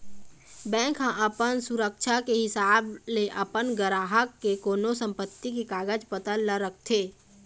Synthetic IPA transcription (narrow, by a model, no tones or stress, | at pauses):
bɛ̃ːŋkɦə̃ʔəpənsʊɾəkʃʰakeɦɪsaːbleʔɐpənɡəɾaːɦəkːekoːnosə̃mpət̪ːikikaːɡəd͡ʒpət̪ələɾək̚ʰt̪ʰeː